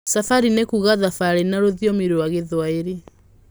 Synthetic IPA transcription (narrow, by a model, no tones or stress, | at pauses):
safaɾinekuɣaðafaɾenaɾoðjɔmiɾewaɣeðwaeɾe